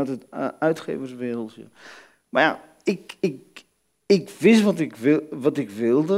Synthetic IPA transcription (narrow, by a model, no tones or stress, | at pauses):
atətœɥtχḛːvərsʋeːl̩ˠsjə̰ | maja | ɪkɪk | ɪkʋɪsʋɔtɪkɪʋɔtɪkʋɪlˠdə